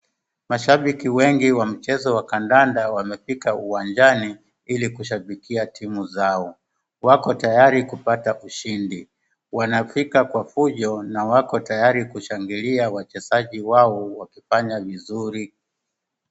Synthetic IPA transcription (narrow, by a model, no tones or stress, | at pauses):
maʃaɓikiwɛŋɡiwam̩t͡ʃɛzɔwakandandawamɛfikauwaɲd͡ʒani | ilikuʃ̬aɓikiatʰimuzaɔ | wakɔtajaɾikupataʔuʃindi | wanafikakwafuʄɔnawakɔtajaɾikuʃaŋɡiliawat͡ʃɛsaʄiwaɔwakifaɲavizuɾi